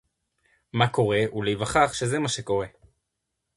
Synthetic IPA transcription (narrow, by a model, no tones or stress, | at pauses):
mako̞ʁe̞ʔulejvaχaχʃe̞zemaʃe̞ko̞ʁe̞